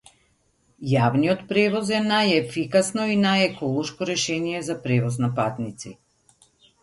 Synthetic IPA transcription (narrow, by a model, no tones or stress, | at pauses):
javnijɔt̪pɾɛvɔzɛnajɛfikasnɔinajɛkɔlˠɔʃkɔɾɛʃɛnijɛzapɾɛvɔz̬napat̪nit̪si